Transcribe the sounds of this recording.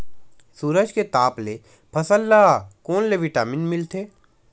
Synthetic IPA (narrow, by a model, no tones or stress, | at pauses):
suːɾəd͡ʒket̪aːple | pʰɐsəlːakoːnleʋɪʈaːmɪnmɪlt̪ʰeː